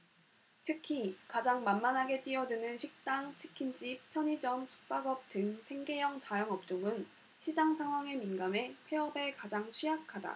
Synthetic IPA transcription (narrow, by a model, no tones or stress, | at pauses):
tʰɯkʰikad͡ʑaŋmanmanɦaɡe̞t͈ɥiʌdɯnɯnɕʰik̚t͈aŋt͡ɕʰi̥kʰind͡ʑippʰjʌɲid͡ʑʌmsʰu̥k̚p͈aɡʌp̚tɯŋsʰe̞ŋɡe̞jʌŋt͡ɕajʌŋʌp̚t͡ɕ͈oŋɯn | ɕʰid͡ʑaŋsʰaŋɦwaŋe̞minɡame̞pʰe̞ʌbe̞kad͡ʑaŋt͡ɕʰɥijakʰada̰